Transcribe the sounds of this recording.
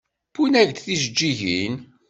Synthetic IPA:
pːunæʝt̪θiʒəd͡ʒːiʝin

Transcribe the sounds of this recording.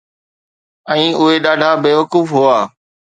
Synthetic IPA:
ɛ̃ːʊɦeɗaːɖʱabeːʋəkuːfɦʊaː

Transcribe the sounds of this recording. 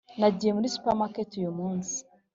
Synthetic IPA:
naɟije̞muɾisu̥pamaketujumuːnsi̥

